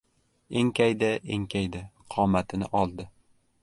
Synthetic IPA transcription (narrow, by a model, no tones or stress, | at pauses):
eŋkʲajd̪aʔeŋkʲʰajd̪ɪqʰɒmat̪ʰɪnɪ̰ʔɒlˠd̪ɪ